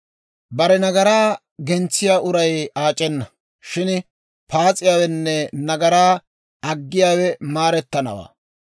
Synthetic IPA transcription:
bɐɾɛnɐɡɐɾaː | ɡɛnt͡sːɪjaːʔʊɾɐjaːt͡ʃʼːɛnːɐ | ʃɪn | paːt͡sʼɪjaːwɛnːɛnɐɡɐɾaː | ɐɡːɪjaːwɛmaːɾɛt̪ːɐnɐ̰wa̰ː

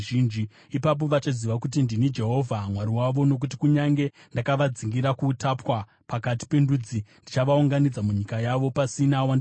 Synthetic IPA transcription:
iːnd͡ʒi | ipap̬o̞ʋat͡ʃaziʋakut̬indinid͡ʒe̞ɦo̞vʱamwaɾiwaʋo̞no̞k̬ut̬i̥kuɲaŋɡe̞ | ndakaʋad͡ziŋɡiɾakuːtapwa | pakati̥pe̞ndud͡zindit͡ʃaʋauŋɡanid͡zamuɲikajaʋo̞pasinawand

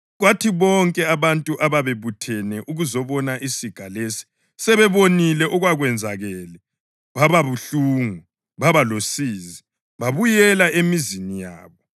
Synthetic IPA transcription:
ɣwatʰiβɔŋkʼɛaβantʼuʔaβaβeβutʰɛnɛʔuɣuzɔβɔnaʔisiɡ̥ʱalesi̥ | sɛβɛβonilɛʔɔɣwaɣwɛnd͡zʱaɣɛːlɛ | βaβaβuɬuːŋu | βaβalosiːzi | βaβujɛlaʔemizinija̰ːβɔ

